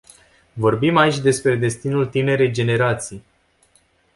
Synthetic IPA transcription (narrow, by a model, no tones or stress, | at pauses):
vo̞rbimait͡ʃʲd̪e̞spɾe̞d̪e̞st̪inult̪ine̞ɾe̞jd͡ʒe̞ne̞ɾat̪sij